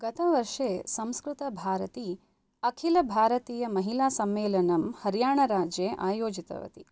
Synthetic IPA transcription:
ɡ̥ɐt̪ɐʋɐɾʂeːsɐ̃mskɾut̪ɐbʱaːɾɐt̪i | ɐkʰilɐbʱaːɾɐt̪iːjɐmɐɦilaːsɐmʋeːlɐnɐmhɐɾjaːɳɐɾaːd͡ʒjeːʔaːjoːd͡ʒit̪ɐ̰ʋɐ̰t̪i

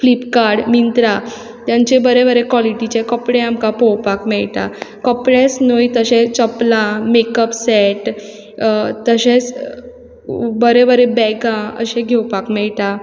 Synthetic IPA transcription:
flipkaɾɽmint̪ɾa | t̪jaɲt͡ɕebəɾebəɾekwɔliʈit͡ɕekɔpɽẽamkapɔwpakmɛɭt̪a̰kɔpɽẽsnojt̪əɕet͡səplamekəpsɛʈ | t̪əɕẽt͡s | bəɾebəɾebɛɡãə̰ɕẽɡʱewpakmɛɭʈ̪a

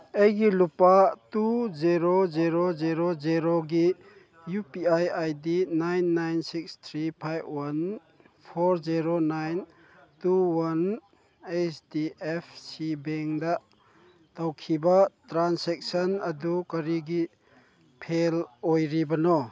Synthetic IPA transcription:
ejɡilupatuziɾoziɾoziɾoziɾoɡi | jupiajajdinajnːajnsikst̪ʰɾipʰajbwan | pʰɔɾziɾonajn | tuwan | et͡ʃdiepʰsibeŋdɐ | tawkʰibɐtɾansek̚sɐnɐdukɐɾiɡi | pʰelojɾibɐnɔ

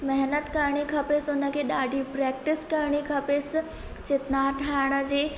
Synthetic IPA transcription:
mɛɦnət̪kəɾɳ̃ikʰɐpesʊnəkʰeːɗaːɖʱipɾɛːk̚ʈɪskɐɾɽ̃ikʰɐpeːs | t͡ɕɪt̪naʈʰaɪɽ̃ə̆d͡ʑeː

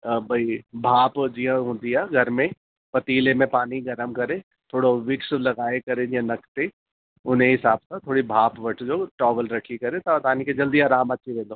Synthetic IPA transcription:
bʱɐibʱaːpd͡ʒijãɦʊ̃d̪ijaɡʱɐɾmẽ | pɐt̪iːlemẽpaːniɡɐɾəmkɐɾẽ | t̪ʰoːɽoʋɪkslɐɡaːekɐɾẽd͡ʒiãnɐkt̪e | ʊnɦẽɦɪsaːb̚sat̪ʰoːɽibʱaːpʋɐʈʰd͡ʒoːʈɔːʋəlɾɐkʰikɐɾẽt̪aɐt̪aːniked͡ʒɐld̪iaːɾaːmɐtːʃʰiɾẽːd̪oː

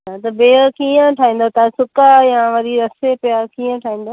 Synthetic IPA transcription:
at̪ɐbeːkiːə̃ʈʰaːĩːn̆d̪ot̪asʊkajãʋɐɾiɾɐsepɪjakiːə̃ʈʰaːĩːn̆d̪oː

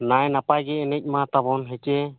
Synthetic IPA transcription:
najnapajɡɛɛnɛc̚ˀmat̪abɔnɦɛt͡ʃɛ

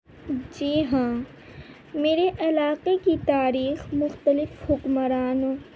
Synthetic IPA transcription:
d͡ʒiːɦãː | meːɾeʔɐlaːqekit̪aːɾiːxmʊxt̪əlɪfhʊkməɾaːnõː

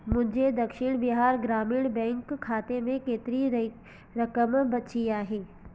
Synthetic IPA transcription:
mʊ̃d͡ʒʱed̪ɐkʃɪɽ̃bɪɦaːɾɡɾaːmiːɽ̃bɛ̃ːŋkʰːaːt̪emẽkeːt̪ɪɾi | ɾɐkəmbɐt͡ʃiaːɦeː

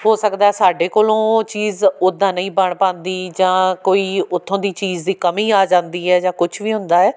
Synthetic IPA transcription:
ɦoːsəkd̪aːɛːsaːɖeːkoːlõːt͡ʃiːzʊd̪ːãːnəĩːbəɳpãːnd̪iːd͡ʒãːkoːiːʊt̪ʰːõːd̪iːt͡ʃiːzd̪iːkəmĩːaːd͡ʒãːnd̪iːɦɛːd͡ʒãːkʊt͡ʃʰʋiːɦʊ̃nd̪aːɛː

